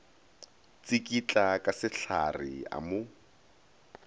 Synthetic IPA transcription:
t͡sikʼit͡ɬʼakʼasɪɬa̰rɪa̰mʊ

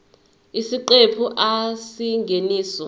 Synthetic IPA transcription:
isiǃepʰuʔasiŋɡʱeniːsɔ

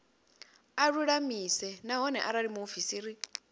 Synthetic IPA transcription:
aɺuɺamisɛnaɦɔnɛʔaɾaɺimufisiɾi

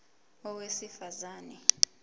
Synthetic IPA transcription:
ɔwesifazaːnɛ

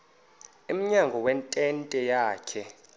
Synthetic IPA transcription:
im̩ɲaŋɡʱɔwɛntʼɛntʼɛjaːkʰɛ

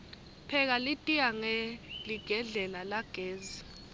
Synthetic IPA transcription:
pʰɛk̬alitʼiaŋɛliɡ̥ʱɛɮɛlalaɡ̥ʱeːzi

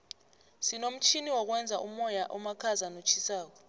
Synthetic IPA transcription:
sinom̩t͡ʃʰiniwɔk̬wɛnd͡zʱaʔumɔjaʔɔmakʰazanot͡ʃʰisaːk̬ɔ̥

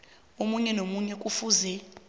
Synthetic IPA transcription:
omuɲɛnomuɲɛkʼufuzɛ

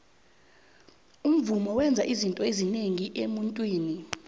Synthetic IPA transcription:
um̩vumɔwɛnd͡zʱaʔizintʼɔezineŋiʔemuntʼwiːni

